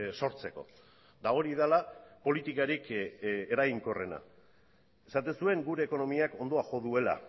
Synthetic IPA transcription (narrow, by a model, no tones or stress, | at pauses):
so̞ɾt͡se̞ko̞̰ | d̪ao̞ɾiðalapo̞lit̪ikaɾike̞ɾaɣiŋko̞re̞na̰ | e̞sat̪e̞nsue̞ŋɡuɾe̞ːko̞no̞miako̞nd̪o̞axo̞ðue̞la̰